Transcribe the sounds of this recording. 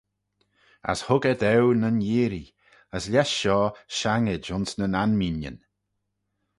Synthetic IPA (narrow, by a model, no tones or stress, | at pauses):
ə̰shʊɡəd̪ɛwnənjiːɾi | əslʲɛʃːɔːʃaŋɪd͡ʒʊnsnənanminjə̰n